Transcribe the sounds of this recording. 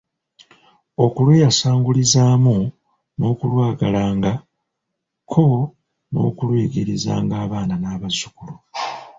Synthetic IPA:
o̞kulweːjasaːŋɡulizaːmu | no̞ːkulwaːɡalaːŋɡa | kʰo̞ | no̞̰ːkulweːɡeɾiza̰ːŋɡaːβaːnanaːβazukulo

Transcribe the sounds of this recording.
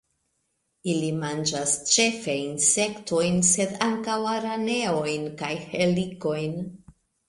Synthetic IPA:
ilimand͡ʒast͡ʃe̞fejnse̞kto̞jnse̞d̪aŋkawaɾane̞o̞jnkajhe̞liko̞jn

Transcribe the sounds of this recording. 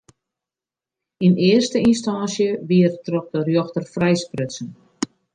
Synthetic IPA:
inɪərstəinstansjəʋiərtrɔk̚dərjoxtərfrɛjsprɪtsən

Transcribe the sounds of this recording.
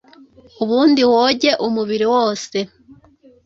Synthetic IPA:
uβuːndiwoɟe̞ʔumuβiɾiwoːse̞

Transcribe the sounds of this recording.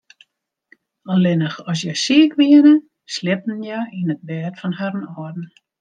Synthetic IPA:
ɔlɪnəxɔs̬jɛsiəkʋiənə | slɪp̚n̩jainət̚bɛːtfɔnhaɾənɔədn̩

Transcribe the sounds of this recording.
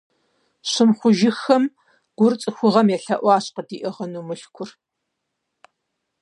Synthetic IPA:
ɕɪmχʷʊʒɪxɐm | ɡ̥ʷʊrt͡sʼɨxʷʊʁɐmjɛɬɐʔʷɑːɕqədiːʔɨʁɐnuːmɨɬkʷʰʊr

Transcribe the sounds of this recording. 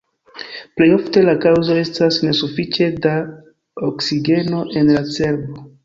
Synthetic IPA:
plejo̞fte̞lakawzo̞e̞stasne̞sufit͡ʃe̞da | oksiɡe̞no̞ʔe̞nlase̞ɾbo

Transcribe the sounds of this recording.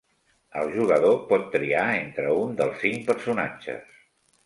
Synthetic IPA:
əlˠʒuɣəðopɔt̪ːɾiaent̪ɾəund̪əlˠsːiŋpəɾsuna̰t͡ʃə̰s

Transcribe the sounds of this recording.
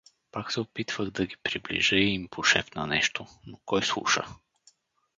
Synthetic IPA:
paksɛopit̪vəɣd̪ɐɡipɾiblḭʒəiimpoʃɛfnɐ̰nɛʃt̪onokɔjslˠṵʃə̰

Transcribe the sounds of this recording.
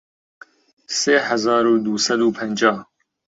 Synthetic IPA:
seːhæzɑːɾuːd̪uːsɐd̪uːpʰɛnd͡ʒɑːh

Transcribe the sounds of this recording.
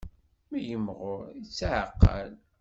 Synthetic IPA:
mæjəmːʁʊɾit͡sːʕəqːə̰l

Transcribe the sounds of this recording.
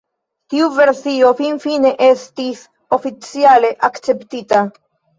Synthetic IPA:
tiuve̞ɾsio̞finfine̞ʔe̞stis | o̞fit͡siale̞ʔakt͡se̞ptita

